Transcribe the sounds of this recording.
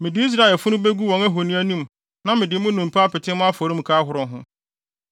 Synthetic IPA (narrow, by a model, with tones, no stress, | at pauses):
mɪ̃˨dɪ˦i˦s̬ɾa˦˨ɛ˨lfʊ˦nʊ̃˦be˦ɡu˦wɔ̃˨ŋæ˦ɦo˨nĩ˦æ˦nũ˦m | nã˦mɪ̃˨dɪ˨˦mʊ̃˦nũ˨mpʰa˦a˦pɪ˨tʰɪ̃˦mʊ̃˦a˦fo˨˦ɾĩ˦m̩˨kʰaː˦ɦʊ˨ɾʊ̃˨ɦʊ̃˦